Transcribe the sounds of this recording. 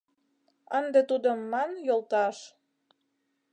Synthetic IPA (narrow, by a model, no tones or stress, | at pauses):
ənd̪et̪ud̪əmːɑnjolˠt̪ɑʃ